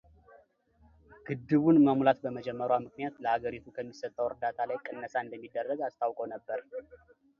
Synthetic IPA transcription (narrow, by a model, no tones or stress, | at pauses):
ɡ̥ɨd̪ːɨβunməmulat̪bəməd͡ʒɛmːəɾwamɨknijat̪ləhaɡəɾit̪ʰukʰəmːisət̪ʼːəwɨɾd̪at̪ʰalajkʼɨnːəsaɨnd̪əmːid̪ːərːəɡast̪ʰawkʼownəbːəɾ